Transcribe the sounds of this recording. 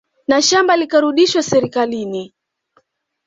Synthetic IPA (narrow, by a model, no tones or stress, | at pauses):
naʃambalikaɾuɗiʃwasɛɾikalini